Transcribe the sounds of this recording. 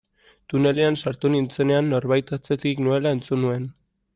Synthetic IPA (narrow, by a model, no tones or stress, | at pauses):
t̪une̞le̞ansaɾt̪unint͡se̞ne̞anːo̞ɾβajt̪at͡se̞t̪iknue̞lae̞nt͡sunue̞n